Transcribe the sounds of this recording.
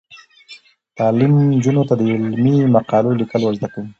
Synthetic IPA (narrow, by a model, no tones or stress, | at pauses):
t̪ɑlimd͡ʒunot̪ad̪əɪlmimaqɑlolikəlwəzd̪akum